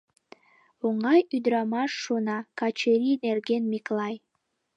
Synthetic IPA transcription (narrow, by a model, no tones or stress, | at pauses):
oŋɑjyd̪ɾɑmɑʃːonɑkɑt͡ɕeɾinerɡenmiklɑj